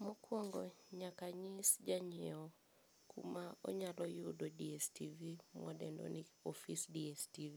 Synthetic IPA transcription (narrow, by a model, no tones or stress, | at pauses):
mɔkwɔŋɡɔɲakaɲisd͡ʒaɲɛɔ | kʰṵmaɔ̰ɲalɔjudɔdiɛstivimwɔdɛndɔ̰niɔfisdiɛstivi